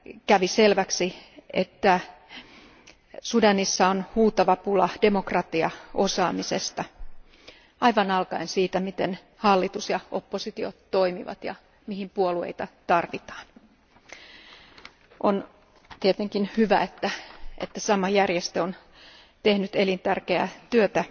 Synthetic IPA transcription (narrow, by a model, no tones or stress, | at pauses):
kæʋiselʋæksiet̪ːæ | sudɑnisːɑonhuːt̪ɑʋɑpulɑd̥e̞mokrɑt̪iɑʔo̞sɑːmisest̪ɑ | ɑiʋɑnɑlkɑinsiːt̪æmit̪en | hɑlːit̪usjɑʔo̞pːosit̪iot̪toimiʋɑ̰t̪jɑ̰ | mihimpuoluḛit̪ɑt̪ɑrʋit̪ɑ̥ːn | ʔon | t̪iet̪eŋkinhyʋæet̪ːæʔḛt̪ːæsɑmɑjærjest̪eon | t̪ehnyt̪elint̪ærkeæ̰t̪yøt̪æ